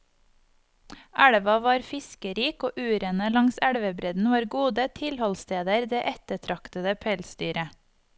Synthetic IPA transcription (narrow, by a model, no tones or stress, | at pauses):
ʔæɽʋɑʋɑːɾfɪskəɾiːkoːʔʉːɾənəlɑŋsæɽʋəbɾɛd̪n̩ʋɑːɾɡuːd̪ət̪ʰɪlhɔlst̪eːd̪əɾd̪eːʔɛt̪əʈʰɾɑkt̪əd̪əpʰɛlst̪yːɾə